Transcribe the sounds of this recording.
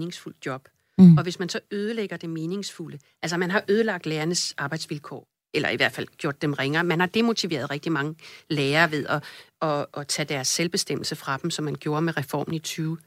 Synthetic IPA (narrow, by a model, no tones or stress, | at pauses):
ne̝ŋsful̰d̥̚jɒ̽b̥ | ɒ̽ʋe̝smænsɒ̽øːð̞ˠəleɡ̥ɐd̥e̝me̝ːne̝ŋsfuləʔæls̬ɐmænɦɑ̈ʔøːð̞ˠəlɑ̈ɡ̥̚d̥leːɐnəsɑ̈ːb̥ɑ̈ɪd̥sʋilkʰɒ̰ː | ʔelɐ̰iʋæɐd̥fæl̰ɡ̥jo̝̰ɐ̰d̥ːemʁeŋɐːmænhɑ̈d̥e̝mo̝t͡sʰiʋe̝̰ːɐð̞ˠʁɛɡ̥d̥imɑ̈ŋəleːɐːʋe̝ðˠɒ̽ɒ̽ːt͡sʰɛd̥æɐsːelb̥e̝sd̥em̰l̩səfʁɑ̈d̥em̩sɒ̽mːænɡ̥jo̝ːɐmeʁɛfɒ̰ːmn̩it͡sʰyːʊ